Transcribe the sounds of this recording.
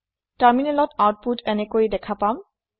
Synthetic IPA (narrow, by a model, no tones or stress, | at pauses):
taɹminɛlɔtawt̚putʰɛnekojdɛkʰapam